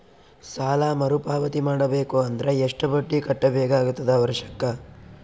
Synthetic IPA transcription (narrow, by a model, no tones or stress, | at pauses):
saːlamɐɾupaːʋɐt̪imaːɽɐbeːkuɐnd̪ɐɾeeʂʈɐbɐʈːikɐʈːɐbɛːɡaaːɡut̪ːɐd̪ɐʋɐɾʂɐ̥kːɐ